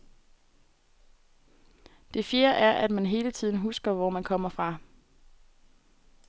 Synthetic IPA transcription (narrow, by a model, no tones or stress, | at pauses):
d̥e̝fjeːɐʔæɐʔæd̥mænɦe̝ːlət͡sʰið̰ˠn̩ɦusɡ̥ɐʋɒmænkʰɒ̽m̰ɐfʁɑ̈